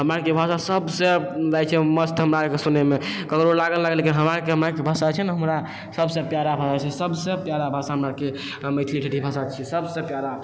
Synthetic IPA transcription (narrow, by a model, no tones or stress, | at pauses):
ɦəmɾakebʱasasəbsed͡ʒajt͡ʃʰɛməst̪ɦəmɾakesunemekəkɾoɾlaɡəllaɡəlːekinɦəmɾakeɦəmɾakebʱasat͡ʃʰɛnɦəmɾa | səbsẽpjaɾabʱasat͡ʃʰɛsəbsẽpjaɾabʱasaɦəmɾake | məɪt̪ʰliʈʰeʈibʱasat͡ʃʰisəbsẽpjaɾa